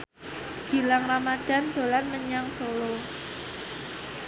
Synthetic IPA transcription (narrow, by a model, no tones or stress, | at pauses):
ɡ̥i̤laŋramad̥a̤nd̪̥o̤lanməɲaŋsolo